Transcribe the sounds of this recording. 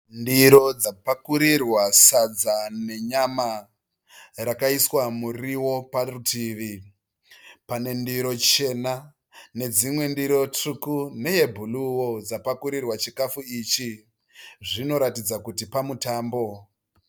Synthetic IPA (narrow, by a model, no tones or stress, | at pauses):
ndiɾo̞d͡zapakuɾirwasad͡zane̞ɲama | rakaiswamuriwo̞parutʰiːʋi | pane̞ndiɾo̞t͡ʃe̞na | ne̞d͡zimwe̞ndiɾo̞t͡ʂukune̞ɦe̞bʱuluwod͡zapakuɾirwat͡ʃikafuit͡ʃi | ʐino̞ɾatid͡zakutipamutaːmbo̞